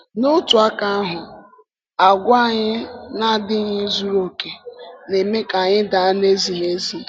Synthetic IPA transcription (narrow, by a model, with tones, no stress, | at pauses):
nʊ˦tʊ˨a˦ka˦ɦʊ˨ | a˨ɡʷa˦˨ɲɪ˦na˦dɪ˦ɲɪ˦zu˦ɾo˨ke˨ne˨me˦ka˨ɲɪ˦da˨a˦ne˦zi˨ne˦zi˨